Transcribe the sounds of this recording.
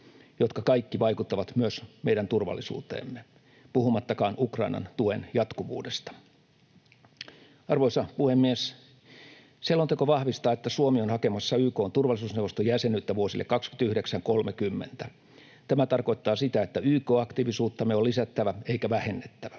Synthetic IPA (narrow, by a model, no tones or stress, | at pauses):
jot̪kɑkɑikːiʋɑikut̪ːɑʋɑt̪myøsmeiɾænt̪urʋɑ̰lːisṵːt̪ḛːmːe | puhumɑt̪ːɑkɑːnʔukrɑinɑ̰nt̪uenjɑt̪kuʋṵːdest̪ɑ̥ | ɑrʋoisɑpuhemːies | selːont̪ekoʋɑhʋist̪ɑːet̪ːæsuomionhɑkemɑsːɑyːko̞ːnt̪urʋɑlːˑisuːsnewʋost̪ojæsenyt̪ːæʋuosilːḛkːɑkskynt̪æyhdeksæŋkolmekymːent̪æ | t̪æmæt̪ɑrko̞it̪ːɑːsit̪æet̪ːæyːkoːɑkt̪iʋisuːt̪ːɑmeolisæt̪ːæʋæeikæʋæhenːet̪ːæʋæ̥